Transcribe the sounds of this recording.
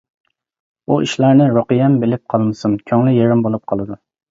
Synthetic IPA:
uʔiʃlæɾnɪɾoqɨjɛmbelɪp̚qʰɑlˠmɨsunkʲʰɑŋlɪjeɾɪmbolˠup̚qʰɑlˠɨd̪u

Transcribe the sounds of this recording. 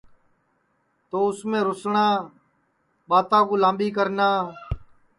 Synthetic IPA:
t̪oːʊsmẽːɾʊsɳãː | ɓaːt̪ãːkuːlãːmɓiːkəɾnaː

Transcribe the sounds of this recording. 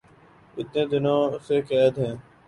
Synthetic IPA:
ɪt̪nẽːd̪ɪnõːsekɛːd̪ɦɛ̃ː

